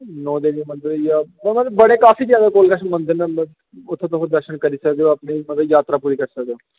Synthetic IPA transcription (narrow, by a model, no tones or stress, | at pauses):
nɔ̃ːd̪eːnĩmənd̪əjaːmmət̪ləbbəɽ̃eːkaːfʰiːzjaːd̪aːkoːlkəʃmə̃nd̪əɾnaː | ʊt̪ʰːẽt̪̬okoːd̪əɾʃənkəɾiːsəkd̪eːõapniːmət̪ləbjaːt̪ɾaːpuːɾiːkəɾsəkd̪eːõː